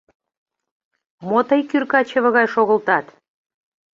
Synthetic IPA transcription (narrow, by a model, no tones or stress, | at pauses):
mot̪əjkyrkɑt͡ɕə̆βə̆ɣɑjʃoɣə̆lt̪ɑt̪